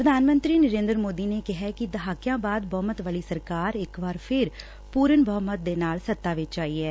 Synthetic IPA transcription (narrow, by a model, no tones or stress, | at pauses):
pɾəd̪ʱaːnmə̃nt̪ɾiːnəɾeːnd̪ɾmoːd̪iːneːkɪɦɛːkɪd̪əɦaːkjãːbaːd̪bəːmət̪ʋaːliːsəɾkaːɾɪkʋaːɾpʰɪɾ | puːɾənbəmət̪̚d̪eːnaːlsət̪ːaːʋɪt͡ʃd͡ʒaːiːɛː